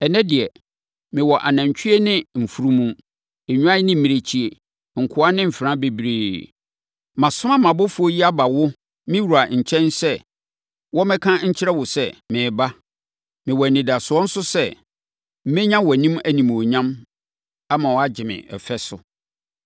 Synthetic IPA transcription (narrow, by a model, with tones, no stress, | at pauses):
ɛ˨nɛ̃˦dɪ˨ɛ˨ | mɪ̃˨wɔ˨ʔa̰˨nã˨ɲ˨t͡ɕᶣʰi˦e˦nɪ̃˦m̩˨fu˦ɾu˦mũ˨ | e˨ɲᶣũ˦ã˦nɪ̃˦m̩˨mĩ˨ɾe˨t͡ɕʰi˦e˨ | ŋ̩˨kʰʊ˦a˦nɪ̃˦m̩˨fɪ˨ɾã˦be˨bɾeː˨ | mã˨sʊ̃˦mã˦mã˨bʊ˦fʊ˦o˦ji˦a˦ba˨wʊ˦ | mɪ̃˦wu˨ɾa˨ɲ̩˨t͡ɕʰɛ̃˦nsɛ˦ | wɔ˦mɛ̃˦kʰã˦ɲ̩˦t͡ɕʰɪ˦ɾɛ˦wʊ˨sɛ˦˨mɪ̃ː˨ba˦ | mɪ̃˨wɔ˨nɪ̃˨da˨sʊ˨ɔ˦n̩˦sʊ˦sɛ˦ | m̩˦mɛ̃˦ɲã˦wɔ˨æ˨nĩ˦mæ˦nĩ˨m˨o˨ɲã˦m | a˦mã˨wɔ˨˦a˦d͡ʑɪ˨mɪ̰̃˨ʔɛ̰˨fɛ˦sʊ˨